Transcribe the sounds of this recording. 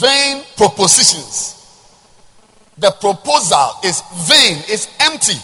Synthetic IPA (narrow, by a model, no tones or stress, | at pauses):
vẽnpʰɹɔposiʃɔ̃ns | ðəpɹɔpoza̰lɪzvẽnɪzɛ̃mp̚ti